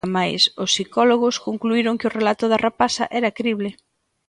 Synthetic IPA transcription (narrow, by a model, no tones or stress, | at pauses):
majsʊsːikɔloɣʊskoŋkluiɾoŋkɪʊrelat̪ʊðɐrapasɐ̰ʔɛɾɐkɾiβlɪ